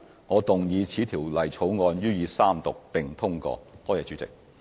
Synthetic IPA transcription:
ŋɔː˨˧t̪ʊ˨ŋjiː˨˧t͡sʰiː˨˥t̪ʰiː˨˩wlɐ˨˩jt͡sʰo˨˥wŋɔː˧njyː˥jiː˨˧saː˥mt̪ʊ˨k̚pɪ˨ŋt̪ʰʊ˥ŋkɔ̰ː˧t̪ɔː˥˩jɛː˧˩t͡ʃyː˨˥t͡sɪ̰˨k̚

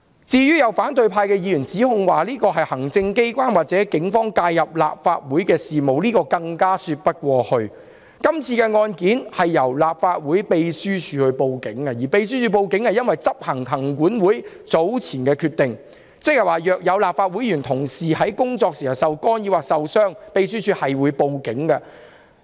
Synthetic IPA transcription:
t͡siː˧jyː˥jɐ˨˧wfaː˨˥nt̪ɵ˧ɥpʰaː˧jkɛː˧jiː˧jyː˨˩nt͡siː˨˥hʊ˧ŋwaː˨liː˥kɔː˧ɦɐ˨jhɐ˨˩ŋt͡sɪ˧ŋke˥jkʷaː˥nwaː˨t̚t͡sɛː˨˥kɪ˨˥ŋfɔː˥ŋkaː˧jːɐ˨p̚la̰ː˨p̚faː˧t̚wuː˨˥jkɛː˧siː˨mo˨wliː˥kɔː˧kɐ˧ŋkaː˥syː˧t̚pɐ˥t̚kʷɔː˧hɵ˧ɥ | kɐ˥mt͡sʰiː˧kɛː˧ŋɔː˧nkiː˨˥nhɐ˨jːɐ˨˩wlaː˨p̚faː˧t̚wuː˨˥jpe˧jsyː˥t͡ʃʰyː˨˧hɵ˧ɥpo˨˧wkɪ˨˥ŋkɐ˧jiː˨˩pe˧js̬yː˥t͡ʃʰyː˨˧p̬o˧wkɪ˨˥ŋhɐ˨jɐ˥nwɐ˨jt͡sɐ˥p̚hɐ˨˩ŋhɐ˨˩ŋkuː˨˥nwuː˨˥j | t͡so˨˥wt͡sʰiː˨˩nkɛː˧kʰyː˧t̪ɪ˨ŋ | t͡sɪ˥k̚jɐ˨waː˨˩jœː˨˩k̚jɐ˨˧wlaː˨p̚faː˧t̚wuː˨˥jjyː˨˩nt̪ʰʊ˨˩ŋsiː˨hɐ˨˥jkʊ˥ŋt͡sɔː˧k̚si˨hɐ˨˩wsɐ˨wkɔː˥njiː˧˥waː˨ksɐ˨wsœː˥ŋpe˧jsyː˥t͡ʃʰyː˨˧hɐ˨jwuː˨˧jpo˨wkɪ˨˥ŋkɐ˧

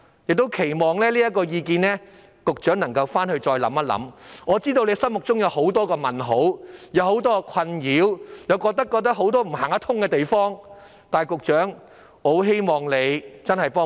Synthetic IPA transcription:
jɪ˨k̚t̪o˥wkʰe˨˩jmɔː˨˩ŋlɛː˥liː˥jɐ˥t̚kɔː˧jiː˧k̬iː˧nlɛː˥ | kʊ˨k̚t͡ʃœː˨˥ŋnɐ˨˩ŋkɐ˧wfaː˥nhɵ˧ɥt͡sɔː˧jlɐ̰˨˥mɐ˥lɐ̰˨˥mŋɔː˨˧t͡siː˥t̪o˧wle˨˧sɐ˥nmʊ˨k̚t͡sʊ˥ŋjɐ˨˧wɦo˨˥wt̪ɔː˥kɔː˧mɐ˨˩nɦo˨˥wjɐ˨˧who˨˥wt̪ɔː˥kɔ˧kʰɐ˧njiː˨˥wjɐ˨˧wkɔː˧k̚t̪ɐ˥kːɔː˧k̚t̪ɐ˥k̚ɦo˨˥wt̪̬ɔː˥m̩˨˩ɦaː˨˩ŋɐ˥t̪ʰʊ˥ŋkɛː˧t̪e˨jfɔː˥ŋ | t̪aː˨˩jkʊ˨k̚t͡ʃœː˨˥ŋ | ho˨˥wɦe˥jmɔː˨ŋle˨˧jt͡sɐ˥nhɐ˨jpɔː˥

